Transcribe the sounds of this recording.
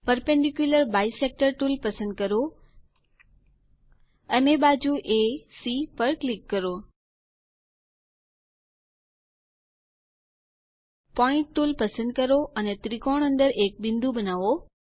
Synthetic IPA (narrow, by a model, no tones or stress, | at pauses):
pəɾpẽɳɖikjuləɾbaːisek̚ʈəɾʈuːlpɐsə̃nd̪̚kɐɾo | ənebaːd͡ʑuʔesipəɾklɪkːəɾo | pɔːɪ̃ɳʈʈːuːlpəsə̃nd̪̚kəɾoʔɐnet̪ɾikɔːɽ̃ə̃nd̪əɾeːk̚bɪ̃nd̪ubɐnaːʋo